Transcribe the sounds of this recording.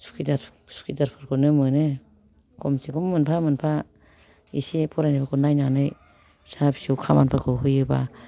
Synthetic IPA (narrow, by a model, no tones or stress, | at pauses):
su̥kʰidaɾ | su̥kʰidaɾpʰɯɾkʰɯnɯmɯnɯ | kʰɔmsikɔmːɯnpʰamɯnpʰa | isipʰɔɾajnabakʰɔnajnanɯj | sapsiɯwkʰamanpʰaɾkʰɯkʰɯjɯba